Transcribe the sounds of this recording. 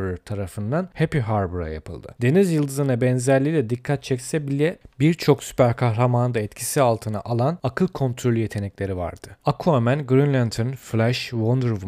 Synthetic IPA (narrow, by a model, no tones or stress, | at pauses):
ɾt̪ʰaɾafɯnd̪anhepiɦaɾbuɾa̰ja̰pʰɯ̰lˠd̪ɯ̰d̪̥e̞nizjɯlˠd̪ɯzɯnabɛnzæɾlʲijlʲɛd̪ikʰːat̪̚t͡ʃʰɛcsɛbilʲɛbiɾt͡ʃʰo̞ksy̥pʰæɾkʰahɾamannd̪aɛt̪cʰisialˠt̪ʰɯna̰ʔalˠanakʰɯlˠkʰo̞nt̪ʰɾolʲyje̞t̪ʰe̞nɛclʲe̞ɾiva̰ɾd̪̥ɯakʰuamænɡɾinlʲant̪ʰonflʲæʃvond̪ɾv